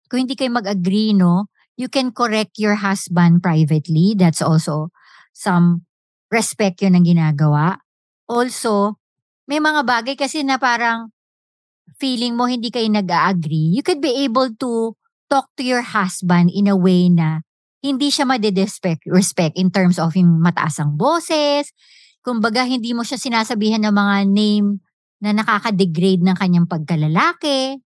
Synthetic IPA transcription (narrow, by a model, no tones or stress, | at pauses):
kʊ̃ŋhɪnd̪iːkɐjomɐɡʔɐɡɾino̞ | jukɛnkoɾɛk̚t̪jɔɹɦasbɐ̃nd̪̚pɹajvɛt̪lid̪ɐt̪sʔɔlso | sɐm | ɹɛspɛk̚t̪jonɐŋɡɪnaːɡɐwaʔ | ʔolso̞ | mɐjmɐŋabaːɡɐjkɐsɛnɐpaːɾɐŋ | fiːlɪŋmo̞hɪnd̪ikɐjonɐɡaʔɐɡɾijukʊd̪̚biʔejbɛlt̪u | t̪ok̚t̪ujɔɹhasbɐnd̪ɪnɐwejnɐ | hɪnd̪iʃamɐd̪ɛd̪ɛspɛkɹɛspɛk̚t̪ʔɪnt̪ɛɹmsofjʊŋmɐt̪ɐ̰ʔasɐŋboːsɛs | kʊmbɐɡahɪnd̪iːmo̞ʃasɪnaːsɐbiːhɐnːɐŋmɐŋanejm | nɐnɐkaːkɐd̪ɛɡɾejd̪̚nɐŋkɐɲːaŋpɐɡ̚kɐlɐlaːkɛ